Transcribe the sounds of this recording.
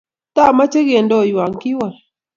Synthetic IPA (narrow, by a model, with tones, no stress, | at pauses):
t̪a˦˨ma˦t͡ʃe˦ɡe˨ndo˦˨jwa˨ŋkɪ˦wa˨